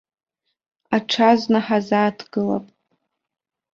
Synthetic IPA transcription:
aʈ͡ʂʰazʷnaħazaːtʰɡ̥ɨla̰pʼ

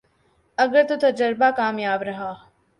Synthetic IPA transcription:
ɐɡəɾt̪ot̪ɐd͡ʒɐɾbaːkaːmjaːbɾɐɦaː

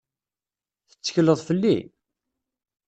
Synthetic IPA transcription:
θə̥t͡sːə̥çləðˤfəlːḭ

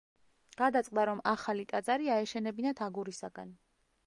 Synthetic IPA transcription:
ɡ̥ad̪at̪sʼqʼd̪aɾɔmaχalit̪ʼad̪zaɾiaɛʃɛnɛbinat̪ʰaɡuɾisaɡan

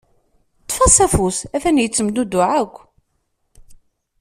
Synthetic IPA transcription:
t̪ˤːfɑsæfusæfænjət͡sːəmd̪ud̪ʊʕakʷː

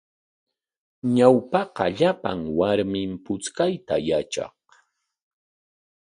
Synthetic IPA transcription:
ɲawpɑqɑ̰ʎapa̰ŋwaɾmɪmpʊt͡skajt̪ajat͡ʃɑ̰q

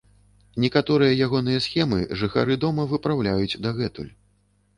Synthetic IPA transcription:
nʲɛkat̪ɔɾɨjɐjaɣɔn̪ɨjɐsxʲɛmɨ̰ʐɨxa̰ɾɨd̪ɔmɐvɨpɾawlʲajut͡sʲd̪aɣɛt̪ṵlʲ

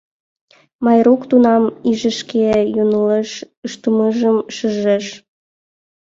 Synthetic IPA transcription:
mɑjɾukt̪unɑmiʒəʃkejunəleʃ | əʃt̪əməʒəmʃəʒeʃ

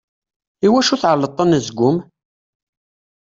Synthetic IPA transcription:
iwæʃuθʕəlːət̪ˤːənəzɡʷʊm

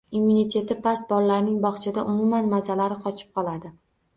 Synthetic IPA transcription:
imːunit̪ʰe̞t̪ʰɪpʰasbɒlːaɾnɪŋbɒχt͡ʃʰɪd̪aʔʊmʊmanmazalaɾɪqʰɒt͡ʃʰɪ̥p̚qʰɒlˠad̪ɪ

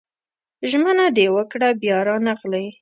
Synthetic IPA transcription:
ʒmənad̪ewəkɽabjɑɾɑnaɣlaj

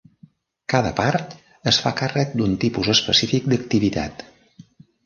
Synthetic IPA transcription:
kaðəpaɾt̪ | əsfakarək̚d̪unt̪ipuzəspəsifik̚d̪əkt̪iβit̪a̰t̪

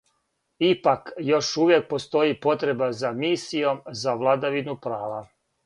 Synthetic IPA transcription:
ipakjo̞ʃuʋjek̚po̞st̪o̞jipo̞t̪ɾe̞bazamiːsijo̞mzaʋlˠad̪aʋinupɾaːʋa

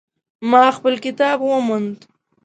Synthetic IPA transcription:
mɑxpəlkɪt̪ɑbwəmund̪

